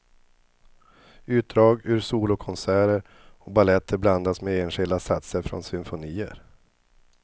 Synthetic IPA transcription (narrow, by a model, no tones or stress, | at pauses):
ʉ̟ːt̪̚d̪ɾɑːɡʉɾsuːlʊkʰɔnsæːɾəɾ | ɔbalɛt̪ʰːəɾbland̪asmɛeːnɧɪld̪asat̪səɾfɾɔ̰nsʏmfʊniːə̰ɾ